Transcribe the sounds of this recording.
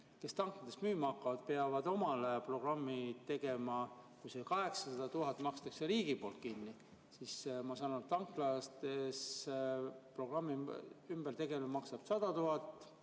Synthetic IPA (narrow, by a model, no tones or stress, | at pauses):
ke̞st̪ɑŋknɑt̪esmyːmɑɑkːˑɑvɑd̪̥̚pe̞ɑvɑd̪̥o̞mɑlepro̞ɡ̥rɑmːit̪e̞ɡe̞mɑkujsekɑɦe̞ksɑsɑd̪̥ɑt̪uɦɑt̪ːˑmɑkst̪ɑkse̞ɾiːɡ̥ipo̞ːlt̪̚kinːi | sismɑsɑːnut̪ɑŋklɑst̪es | pro̞ɡrɑmːiymb̥ert̪e̞ɡe̞lmɑksɑb̥sɑd̪̥ɑt̪uɦɑt̪ˑː